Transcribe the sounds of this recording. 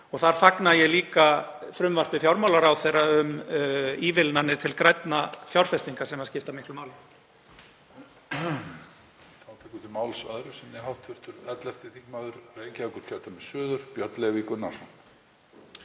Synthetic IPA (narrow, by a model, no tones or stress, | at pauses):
ɔɣθaɾ̥θaknajɛliːkafɾʏmvar̥pɪfjawɾmawlaɾawθejɾːaʏm | iːvɪlnanːɪ̥t̪ʰɪlkɾajt̪nafjawr̥fɛst̪iŋkasɛmascɪft̪amɪhklʏmaːwlɪ | θawt̪ʰɛkʏt̪ʰɪmaːwlsœðɾʏsɛnɪɦawht̪vɪr̥t̪ʏɾɛt̪lɛft̪ɪθikmaðʏɾreːjcɪakʏɾ̥k̪ʰat̪amɛsœːðʏɾ̥pjœt̪lɛvikʏnḁsɔn